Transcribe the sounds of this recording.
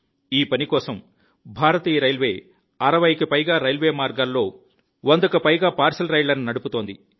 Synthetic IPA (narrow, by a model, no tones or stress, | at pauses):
iːpɐnikɔːsɐm | bʱaːɾɐt̪iːjɐɾɐjlʋeː | ɐɾɐʋɐjkɐpɐjɡaːɾɐjlʋe̞ːmaːɾɡaːlːo̞ː | ʋond̪ɐkɐpɐjɡaːpaːɾsɐlɾɐjlɐninɐɽuput̪o̞ːnd̪i